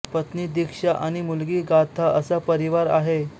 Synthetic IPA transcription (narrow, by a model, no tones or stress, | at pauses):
pət̪niːd̪ikʂaʔaɽ̃imulɡiːɡat̪ʰaəsəpəɾiʋaɾa̰ɦe